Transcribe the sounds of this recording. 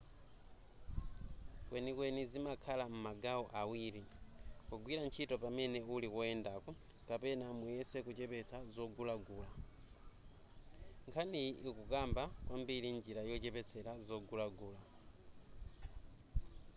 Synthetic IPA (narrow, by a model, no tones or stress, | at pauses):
kwʔɛnikwɛnizimakʰalam̩maɡaɔʔawiɾikɔɡwiɾant͡ʃʰitɔpamɛnɛulikwɔɛndakɔ | kapɛnamujɛsɛkut͡ʃɛpɛt͡sʰazɔɡulaɡuːla | ŋkʰaniʔikukambakwambiɾind͡ʒiɾajɔt͡ʃɛpɛt͡sʰɛɾazɔɡulaɡuːla